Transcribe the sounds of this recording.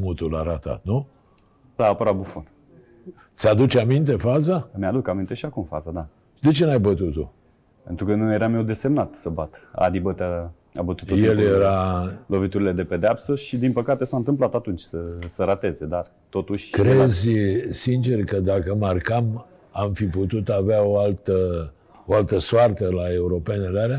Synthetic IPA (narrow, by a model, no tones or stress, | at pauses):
mut̪ulaɾat̪a̰t̪nu | laːpəɾabufon | t̪sʲad̪ut͡ʃamint̪e̞fazamead̪ukamint̪e̞ʃiakumfa̰zad̪a | d̪et͡ʃenajbət̪ut̪u | pe̞nt̪ɾukənujeɾamjewd̪e̞se̞mnat̪səbat̪a̰d̪ibət̪a | a̰bət̪utt̪ujeljeɾalo̞vit̪uɾile̞d̪e̞pe̞d̪eapsəʃid̪inpəkat̪e̞saɨnt̪ɨmplat̪at̪unt͡ʃʲsəsəɾat̪e̞ze̞d̪ar | t̪o̞t̪uʃʲkɾezʲsint͡ʃe̞rkəd̪akəmarkam | amfiput̪ut̪aveaoalt̪ə | oalt̪əsoart̪əlae̞uɾo̞pe̞neleaɾa